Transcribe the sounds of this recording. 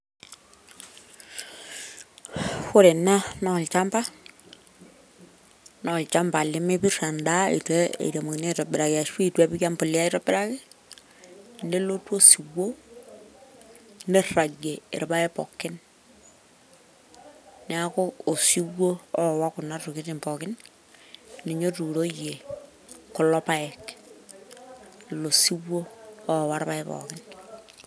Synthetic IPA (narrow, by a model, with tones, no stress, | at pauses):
xʊ˦ɾɪ˨na˦nɔ˨lt͡ʃa˦mba˦ | nɔ˨lt͡ʃa˦mba˨lɪ˦mɪ˦bi˦ɾa˨nda˦ḭ˨twe˦ḛ˨ɾa˨mu˨kne˦˨ta˨bɪ˨ɾa˨ki˨a˨ʃwi˦˨twɛ˦bi˦ka˦mpʊ˨li˦a˦ɪ˦ɾɔ˦bɪ˦ɾa˦ki˦ | nde˦lo˦two˦si˨wo˦ | ne˦ra˨ɡe˨ḛ˨ɾpa˦e˦pɔ̰˨kɪ˦n | ɛa˦ko˦o˨si˦wːo˦ɔ˦˨wa˦kʊ˨na˦tu˨ki˦ti˨mpɔ˨kɪ˦n | ne˨ɲo˦tu˨ɾo˦je˨ | kʊ˨lɔ˦pa˦ɛ˨k | lo˨si˦wo˦ɔ˦˨wa˦ɾpa˦e˦pɔ̰˨kɪn